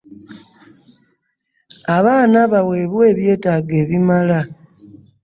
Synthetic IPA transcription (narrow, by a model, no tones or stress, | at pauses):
aβaːnaβawe̞ːβwe̞ːβje̞ːtaːɡe̞ːβimala